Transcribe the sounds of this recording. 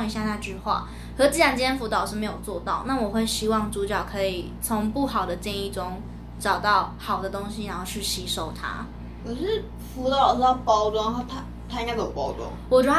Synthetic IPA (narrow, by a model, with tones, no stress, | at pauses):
ŋi˧˥ɕja˥˧na˥˧ʈ͡ʂy˥˧xwa̰˥˩ | xɤ˧˥t͡ɕ̩˥˩ja˧˥˩nt͡ɕjɛ˥nfu˧˥t̪ɑ˨˩ʊʂɻ̩˥˩me˧˥ɪjo˨˩ʊt͡swɔ˥˧t̪ɑ˥˧ʊna˥˩wɔ˨˩xwe˥˩ɪɕi˥wɑ˥˩ŋʈ͡ʂu˧˥t͡ɕjɑ˨˩ʊkʰɤ˧˥i˨˩ | t͡sʰʊ˧˥ŋpu˥˩xɑ˨˩ʊd̪ə˦t͡ɕjɛ˥˧ni˥˩ʈ͡ʂʊ˥ŋ | ʈ͡ʂɑ˨˩ʊt̪ɑ˥˩ʊxɑ˨˩ʊd̪ə˦t̪ʊ˥ŋɕi˨˩ɻa˧˥nxo˥˧ʊʂʰɻ̩˥˩ɕi˧˥ʂo˨˩ʊt̪ʰa̰˥ | ɔ˨˩ɻ̩˥˩ | fu˧˥t̪ɑ˥˩ʊə˨˩lɑ˥˩pɑ˥ʊt̪wɑ˥˧ŋxo˥˩t̪ʰa˥ | t̪ʰa˥i˥ŋa˥˩jo˨˩pɑ˥ʊt̪wɔ̰˥ŋwɔ˨˩ʈ͡ʂ